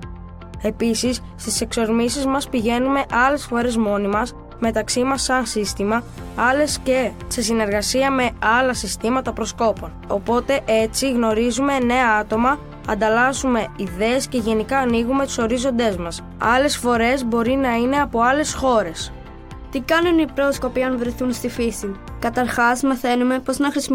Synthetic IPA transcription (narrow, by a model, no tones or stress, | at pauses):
e̞pisisːt̪ise̞kso̞ɾmisizmɐspiʝe̞nume̞ʔɐle̞sfo̞ɾe̞zmo̞nimɐs | me̞t̪ɐksimɐsːɐnsist̪imɐ | ɐle̞sce̞se̞sine̞ɾɣɐsiɐme̞ɐlɐsist̪imɐt̪ɐpɾo̞sko̞po̞no̞po̞t̪e̞ʔe̞t͡siɣno̞ɾizume̞ne̞ɐɐt̪o̞mɐ | ɐ̰nd̪ɐlɐzume̞iðe̞ːsce̞ʝe̞nikɐːniɣume̞t̪u̥so̞ɾizo̞nd̪e̞zmɐs | ɐle̞sfo̞ɾe̞zbo̞ɾinɐine̞ɐpo̞ɐle̞sxo̞ɾe̞s | t̪ikɐnunipɾo̞sko̞piɐnvɾeθunst̪ifisikɐt̪ɐɾxɐzmɐθe̞nume̞po̞znɐxɾisi